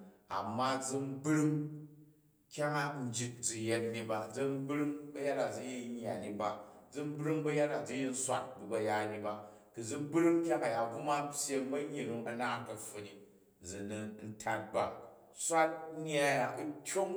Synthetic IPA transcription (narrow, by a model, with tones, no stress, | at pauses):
a̰˨mːa˦d͡zi˧m̩˦bɾi˦ŋ | kʲa˦ŋa˦n̩˦d͡ʒi˦t̚d͡zi˧je˦tni˨ba˨d͡zi˦m˦bɾi˦ŋbɐ˦ja˦ta˨d͡zɨ˨˦ji˦ɲː˦a̰˨ni˨ba˨d͡zɨ˦m˦bɾi˦ŋbɐ˦ja˦ta˨d͡zu˦ji˦n̩˦sʷa˦t̚bu˨bɐ˨ja˦ni˧ba˨ | kɨ˨d͡zu˦m˦bɾi˦ŋkʲa˦ŋa˨ja˨ɡu˦ma˦tʲje˦ŋbɐ˦ɲi˨ɾi˨ŋɐ˦naː˦ŋ˦kɐ˨ɸu˦ni˨ | d͡zi˨ni˦n̩˦tʰa˦t̚ba˨˦ | sʷa˦t̚ɲ˦a˦ja˨ʔu˦tʲo˦ŋ